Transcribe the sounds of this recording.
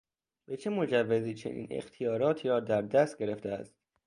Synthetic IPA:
be̞t͡ʃʰemo̞d͡ʒævːeziːt͡ʃʰḛnʔḭːnḛxt̪ʰijɒːɾɒːt̪ʰiːɾɒːd̪æɾd̪æst̪̚ɡe̞ɾe̞ft̪ʰeæ̰st̪

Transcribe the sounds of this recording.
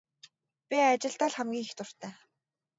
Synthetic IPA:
pʲiat͡ɕɪ̆ɬt̪aːɮχæmɡʲiːŋixt̪ʊr̥t̪ʰæː

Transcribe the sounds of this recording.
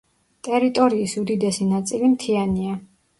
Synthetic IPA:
t̪ʼɛɾit̪ʼɔɾiːsud̪id̪ɛsinat̪sʼilimt̪ʰiania

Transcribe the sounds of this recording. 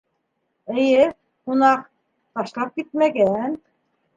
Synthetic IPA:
ɘ̆jɘ | qunɑq | t̪ɑʃlˠɑp̚kit̪̚mæɡæn

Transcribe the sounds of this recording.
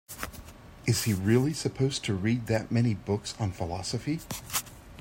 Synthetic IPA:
ɨz̥iɹɪlˠisɨpʰoʊz̥tʰɨɹid̪̚ðɨʔ̚mɛñibʊksn̩fəlɑsəfi

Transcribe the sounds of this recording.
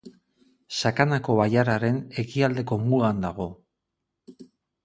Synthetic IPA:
sakanako̞βajaɾaɾe̞ne̞kiald̪e̞ko̞muɣand̪aɣ̞o̞

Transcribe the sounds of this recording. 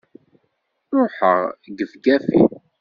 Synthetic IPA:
ɾˤoħəʁɡəvɡæfḭ

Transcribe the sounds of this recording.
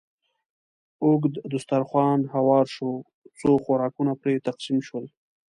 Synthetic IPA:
ʊɡd̪d̪ʊst̪aɾxwɑnɦawɑɾʃo | t͡soxoɾɑkunapɾet̪aqsimʃwəl

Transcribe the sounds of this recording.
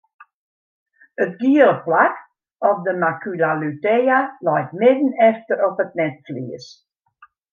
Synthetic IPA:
ətɡiələplak | ɔpdəmakylalytɛjalɛjtmɪdn̩ɛftəɾɔpət̚nɛtflḭəs

